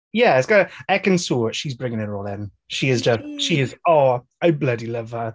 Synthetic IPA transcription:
jɛɪsɡ̥ɔəɛkə̃nsoːʃizbɹɪ̃ŋɪ̃ŋɪʔɔːlˠɪ̃n | ʃiɪzd͡ʒʌsʃiɪzɔː | aɪblʌdilʌv̥ə

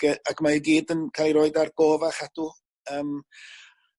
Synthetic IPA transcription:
ɡəakʰmaəɡiːdənkʰalˠiɾoːɨdarɡ̥oːvaχad̥u | əːm

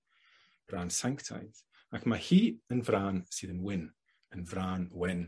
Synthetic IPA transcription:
b̥raːnsaŋktʰa̰jð | akʰmahiːənvɾaːnsɪðənwɪn | ənvɾaːnwɛn

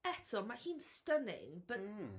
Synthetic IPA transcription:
ɛtʰɔmahiːnstənɪ̰ŋbə

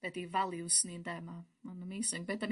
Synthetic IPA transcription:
b̥ɛt̪iːvalˠiusniːnd̪ajmaːmanːamiːsuŋɡ̚bɛt̪ːam

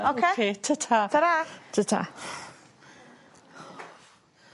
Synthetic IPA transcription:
okʰekʰeːtʰətʰatʰəɾatʰətʰa̰

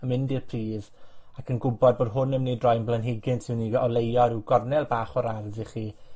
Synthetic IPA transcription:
əmɪndirpʰr̥iːð | akʰənɡʊbɔd̚boːdɦʊnəmnedrɔjnblənɦɪɡɪntʰɪwniɔlˠejɔɾɪwɡɔrnɛlˠbaːχɔɾardiχiː

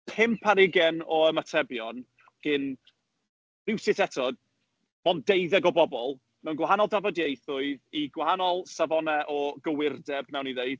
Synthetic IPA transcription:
pʰɪmpʰaɾɪɡɛnɔəmatʰɛbjɔn | ɡ̥ɪn | vɪwsɪtɛtʰɔd | mɔndejðɛɡɔbɔbɔlˠ | mɛwnɡwaɦanɔlˠdavɔdjejθʊɨðiɡwahanɔlˠsavɔnɛʔɔɡəwɪrdɛbnɛwniðejð̥

